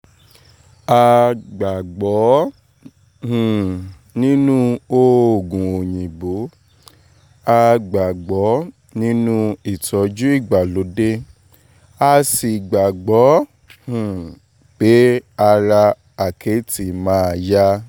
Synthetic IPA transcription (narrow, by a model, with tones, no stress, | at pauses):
a˧ɡ͡ba˨ɡ͡bɔ˨˦ | hũ˨ | nĩ˦nũ˦o˦o˨ɡũ˨o˨ɲĩ˨bo˨˦ | a˧ɡ͡ba˨ɡ͡bɔ˨˦ | nĩ˦nũ˦i˦˨tɔ˨˧d͡ʒu˦i˦˨ɡ͡ba˨lo˨˦de˦ | a˧si˨ɡ͡ba˨ɡ͡bɔ˨˦ | hũ˨ | k͡pe˨˦a˧ɾa˧ | a˨kʰe˨˦ti˧˨mãː˦˧ja˦